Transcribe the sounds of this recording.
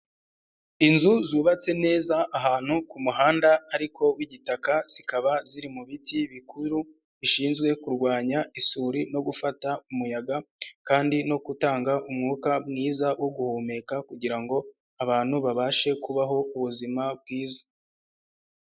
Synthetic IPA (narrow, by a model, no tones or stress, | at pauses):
inzuzuːβat͡se̞ne̞ːzaʔːɦaːn̥hukumuɦaːndaːɾikʰo̞wiɟitakaz̥ikaβaziɾimuβitiβikʰuɾu | βiʃiːnzɡwe̞kuɾɡwaːɲaisuːɾino̞ɡufataumujaɡakaːndino̞kutaːŋɡaʔumŋuːkabŋiːzawo̞ɡuhoːme̞kakuɟiɾaŋɡo̞ | aβaːn̥huβaβaʃe̞kuβaɦo̞uβuzimab̚ɡwiːzḁ